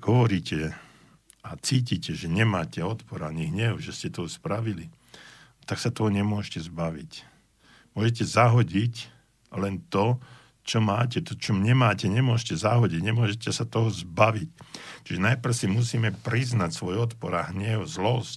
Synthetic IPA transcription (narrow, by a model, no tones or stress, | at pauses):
ɦɔʋɔɾiːcʰɛ | at͡siːciːcɛʒɛɲɛmaːcɛɔt̪pɔɾaaɲiɦɲɛʊʒɛscɛt̪ɔspɾaʋili | t̪aksat̪ɔɦɔɲɛmʊɔʃcɛzbaʋḭc | mʊɔːʒɛcɛzaɦɔɟic | lɛnt̪ɔ | t͡ʃɔmaːcɛt̪ɔt͡ʃɔmɲɛmaːcɛɲɛmʊɔʃcɛzaɦɔɟiɟɲɛmʊɔʒɛcɛsat̪ɔɦɔzbaʋict͡ʃiʒɛnajpr̩ʊsimusiːmɛpɾiznacsʋɔjɔt̪pɔɾaɦɲɛʊzlɔsc